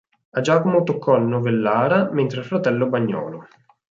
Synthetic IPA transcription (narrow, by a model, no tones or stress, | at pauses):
ad͡ʒaːkomot̪okʰːɔnːovelːaːɾament̪ɾelfɾat̪ɛlːobaɲːɔ̰ːlo